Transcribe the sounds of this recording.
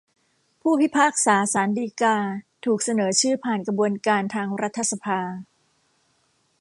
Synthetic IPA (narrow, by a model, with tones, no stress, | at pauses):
pʰuː˥˩pʰi˦˥˩pʰaː˥˩k̚saː˩˦saː˩˦ndiː˧kaː˧t̪ʰuː˨˩k̚sa˧nɤː˩˦t͡ɕʰɯː˥˩pʰaː˨˩nkɾa˧bu˧ənkaː˧nt̪ʰaː˧ŋɾa˦˥t̪ʰːa˧˩sa˧pʰaː˧